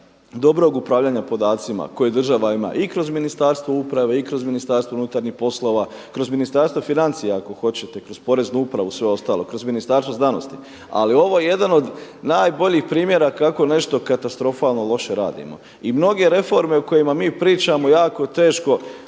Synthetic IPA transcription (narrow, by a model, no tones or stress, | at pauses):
d̪o̞bɾo̞ɡupɾaːʋʎaːɲapo̞d̪aːt̪sima̰ko̞jed̪ɾr̩ʒaʋaima̰ːʔikɾo̞zminist̪aɾst̪ʋo̞upɾaʋe̞ikɾo̞zminist̪aːɾsʋounut̪aɾɲixpo̞slˠo̞ːʋa | kɾo̞zminist̪aɾst̪ʋofinant̪sijaako̞xo̞t͡ɕet̪e̞kɾo̞zpo̞ɾe̞znuupɾaʋusʋe̞o̞st̪aːlˠo̞̰kɾo̞zminist̪aɾst̪oznano̞̰st̪i | a̰lio̞ʋo̞jeje̞d̪ano̞d̪naːjbo̞ʎiːxpɾiːmje̞ɾakako̞ne̞ʃt̪o̞kat̪ast̪ɾo̞faːlˠnolˠo̞ʃeɾa̰ːd̪ḭmo̞̰ | imno̞ɡe̞ɾe̞fo̞ɾme̞uko̞jimamiːpɾiːt͡ʃamo̞jaːko̞t̪e̞ːʃko̞